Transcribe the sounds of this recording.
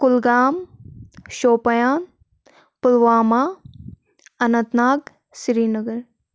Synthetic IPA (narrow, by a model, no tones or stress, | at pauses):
kʊlɡaːm | ʃoːpɐjaːn | pʊlʋaːmaː | ɐnɐ̃nt̪naːɡ | siɾiːnɐɡəɾ